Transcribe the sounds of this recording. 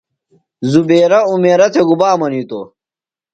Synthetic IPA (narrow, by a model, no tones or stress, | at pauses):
zubeːɾɐumeːɾɐt̪ʰeɡubaːmɐniːt̪o